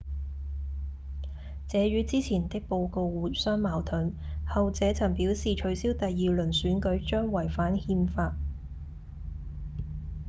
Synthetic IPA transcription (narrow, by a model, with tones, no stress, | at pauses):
t͡sɛː˨˧ɥyː˨˧˥t͡siː˥t͡sʰiː˨˩nt̪ɪ˥k̚po˧wko˧wwuː˨˩t̚sœː˥ŋmaː˨˩wt̪ʰɵ˨˥nhɐ˨wt͡sɛː˨˥t͡sʰɐ˨˩ŋpi˨˥wsiː˨t͡ʃʰɵ˨˥ɥsiː˥wt̪ɐ˨jːiː˨lɵ˨˩nsyː˨˥nkɵ˨˥ɥt͡ʃœː˥ŋwɐ˨˩jfaː˨˥nhiː˧mfaː˧t̚